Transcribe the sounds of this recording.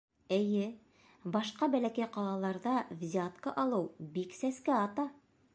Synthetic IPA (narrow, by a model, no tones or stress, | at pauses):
ɘ̆jɘ | bɑʃqɑbælækæjqɑlˠɑlˠɑɾðɑvzʲat̪kəʔɑlˠɤwbiksæskæɑt̪ɑ